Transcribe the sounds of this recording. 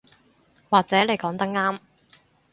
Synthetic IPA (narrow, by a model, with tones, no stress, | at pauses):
waː˨k̚t͡sɛː˨˥le˨jkɔː˨˥ŋt̪ɐ˥k̚ŋaː˥m